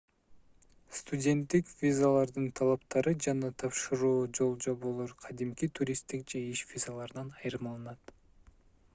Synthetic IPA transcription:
st̪udʲe̞nt̪ːikvʲizalˠɑɾd̪ɯnt̪ʰɑlˠɑpt̪ɑɾɯd͡ʒɑnɑt̪ʰɑpʃɯɾuːd͡ʒo̞lˠd͡ʒo̞βolˠoɾqʰɑd̪imkit̪ʰuɾʲist̪ik̚d͡ʒe̞iʃvʲizalˠɑɾɯnɑnɑjɾɯmɑlˠɯnɑt̪

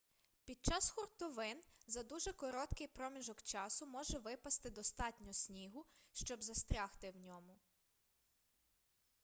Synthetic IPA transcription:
pʲid̪̚t͡ʃɑsxɔrt̪ɔʋɪnzɐd̪uʒɛkɔɾɔt̪kɪjpɾɔmʲiʒɔkt͡ʃɑsʊmɔʒɛʋɪpɐst̪ɪd̪ɔst̪ɑtʲnʲɔsʲnʲiɦʊʃt͡ʃɔbzɐst̪ɾʲɑxt̪ɪwnʲɔmʊ

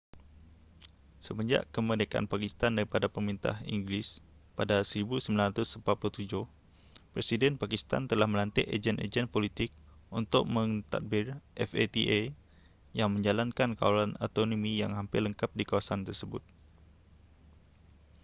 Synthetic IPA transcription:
səmə̃ɲd͡ʒa̰ʔkəmədəka̰npakist̪andaɾipadapəmɾint̪a̰hḭŋɡlis | padasəɾibusəmbilanrat̪ʊsəmpat̪pulʊht̪ud͡ʒʊh | pɾesidɛnpakist̪a̰nt̪əlahmə̃lant̪ɛʔḛd͡ʒɛnʔḛd͡ʒɛnpolit̪ɪk̚unt̪ʊk̚mə̃ŋt̪a̰t̪̚bɪrʔɛfḛt̪iʔe | jaŋmə̃ɲd͡ʒalankanka̰walano̰t̪onomĩjaŋɦampɪrləŋkap̚dikawasant̪ərsəbʊ̰t̪̚

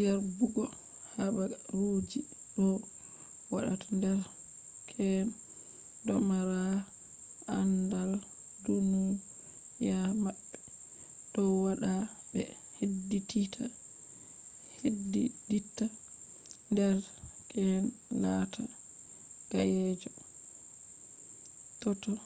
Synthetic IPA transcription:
aɾbuɡɔ | habaɾod͡ʒi | ɗɔ | waɗa̰tḁndɛɾ | kʰɛn | dɔmaɾa | ʔandal | dunu | jamaɓːɛ | d̥ɔwaɗabɛ̰ | hedːititʰa | hediditːa | ndɛɾ | kʰɛn | latʰa | ɡ̥ajɛd͡ʒɔ | tɔtɔ

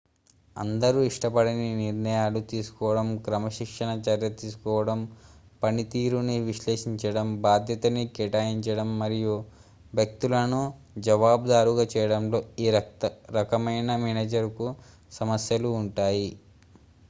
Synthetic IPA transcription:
ɐ̰nd̪ɐɾuiʂʈɐpɐɽininiɾnɐjaːlut̪iːsu̥kɔːʋɐɽɐmkɾɐmɐʃikʂɐnɐt͡ʃɐɾjɐt̪iːsu̥kɔːʋɐɽɐmpɐnit̪iːɾuniʋiʃleːʂiɲt͡ʃɐɽɐmbaːd̪ʱjɐt̪ɐnikɛʈaːjiɲt͡ʃɐɽɐmːɐɾiju | ʋjɐk̚t̪ulɐnu | d͡ʒɐʋaːbd̪aːɾuɡaːt͡ʃɛːjɐɽɐmlo̞ːiːɾɐɾɐkɐmɐjnɐmɛneːd͡ʒɐɾku | sɐmɐsjɐluːɳʈaːji

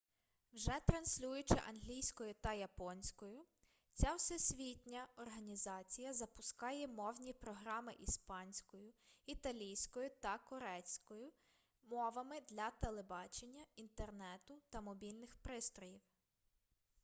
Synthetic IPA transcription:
wʒɛt̪ɾɐnsʲlʲujʊt͡ʃɪ̰ʔɐnɦlʲijsʲkɔjʊt̪ɐjɐpɔnʲsʲkɔjʊ | t͡sʲawsɛsʲʋʲitʲnʲɐɔrɦɐnʲizɑt͡sʲijɐzɐpʊskɑjɛmɔwnʲipɾɔɦɾɑmɪʔispɑnʲsʲkɔjʊit̪ɐlʲijsʲkɔjʊt̪ɐkɔɾɛt͡sʲkɔjʊ | mɔʋɐmɪd̪lʲɐt̪elˠebɑt͡ʃenʲːɐint̪ernɛt̪ʊt̪ɐmɔbʲilʲnɪxpɾɪst̪ɔjiw

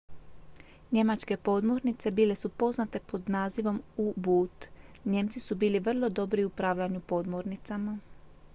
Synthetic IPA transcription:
ɲe̞mat͡ʃke̞po̞d̪mo̞ɾnit̪se̞biːle̞supo̞znat̪e̞po̞d̪naːziʋo̞mubuːt̪ɲe̞mt̪sisubiːliʋr̩lˠo̞d̪o̞bɾiupɾaʋʎaɲupo̞d̪moɾnit̪sama

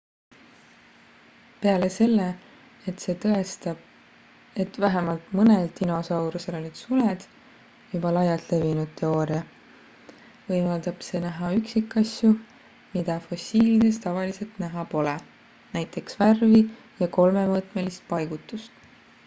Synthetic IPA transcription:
pe̞ɑle̞se̞lːe̞ | et̪se̞ːt̪ɤe̞st̪ɑb | e̞t̪væɦemɑlt̪mɤne̞lt̪ːino̞sɑwɾuse̞lo̞lʲid̪̥suled̪̥ | jubɑlɑjɑt̪le̞vinud̪̥̚t̪ʰːe̞o̞ːɾiɑ | vɤjmɑld̪̥ɑb̥se̞næɦɑyksikːˑɑsju | mid̪̥ɑfo̞sʲiːldest̪ɑvɑlise̞lt̪næɦɑpo̞le | næjt̪ːˑe̞ksværvi | jɑko̞lme̞mɤt̪ˑme̞list̪̚pɑjɡ̥ut̪ːˑust̪

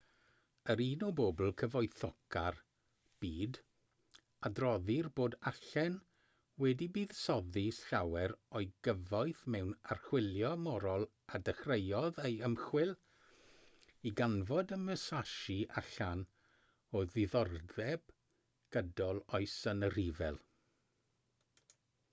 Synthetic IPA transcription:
əɾiːnɔboːbl̩ˠkʰəvɔɨθɔkʰar | b̥iːd | adrɔðɪrboːdaɬɛn | wɛdibiːðsɔðisɬawɛɾɔɨɡəvajθmɛwnarχwɪlˠjɔmɔɾɔlˠ | adəχrejɔðejəmχwɪlˠ | iɡanvɔdəməsaʃiʔa̰ɬan | ɔðɪðɔrðɛb̥ | ɡ̥ədɔlˠɔɨsənərivɛ̰lˠ

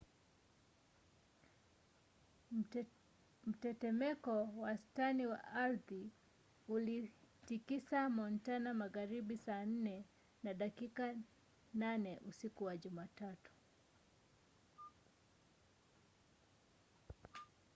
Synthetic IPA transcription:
m̩tɛtɛmɛkɔwastaniwa̰ʔaɾði | ulitikisamɔntanamaɣaɾiɓisaːn̩nɛ | naɗakika | nanɛʔusikuwaʄumaːtatu̥

